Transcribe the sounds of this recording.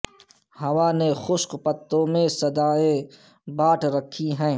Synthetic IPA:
hɐʋaːnexʊʃkpət̪ːõːmẽsɐd̪aːẽ | baːʈʰɾɐkʰːiɦɛ̃ː

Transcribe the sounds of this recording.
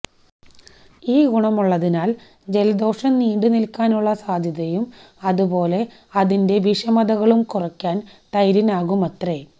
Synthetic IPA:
iːɡuɳɐmuɭːɐðinaːl | d͡ʑe̞lɐd̪o̞ːʂɐnniːɖɨnilkaːnuɭːɐsaːd̪ʱjɐðɐjum | ɐðubo̞ːle̞ | ɐðinde̞ʋiʂɐmɐðɐɣɐɭumkurɐkʲːaːnt̪ɐjɾinaːɣumɐt̪re̞

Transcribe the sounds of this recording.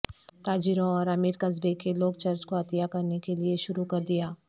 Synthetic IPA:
t̪aːd͡ʒɪɾõɔːɾɐmiɾkɐzbekeloːk̚t͡ʃɐɾt͡ʃkoɐt̪jakɐɾnekelieʃʊɾukɐɾd̪ijaː

